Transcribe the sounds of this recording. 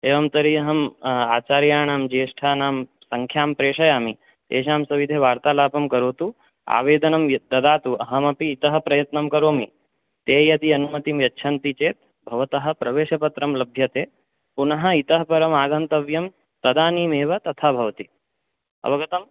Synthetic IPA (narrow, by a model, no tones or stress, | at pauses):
eːʋɐmt̪ɐɾiɐɦɐmaːt͡ʃaːɾjaːɳaːmd͡ʒeːʂʈʰaːnaːm | sɐŋkʰjaːmpɾeːʂɐjaːmi | t̪ḛːʃaːmsɐʋid̪ʱeʋaːɾt̪aːlaːpɐmkɐɾoːt̪u | a̰ːʋeːd̪ɐnɐmd̪ɐd̪aːt̪uɐɦɐmɐpiːt̪ɐɦɐ̆pɾɐjɐt̪nɐmkɐɾoːmi | t̪eːjɐd̪iɐnumɐt̪imjɐtːʃʰɐnt̪it͡ʃeːt̪̚ | bʱɐʋɐt̪ɐɦɐ̆pɾɐʋeːʃɐpɐt̪ɾɐmlɐbʱjɐt̪eː | punɐɦɐ̆it̪ɐɦɐpɐɾɐmaːɡɐnt̪ɐʋjɐm | t̪ɐd̪aːniːmeːʋɐt̪ɐt̪ʰaːbʱɐʋɐt̪i | ɐ̰ʋɐɡɐt̪ɐm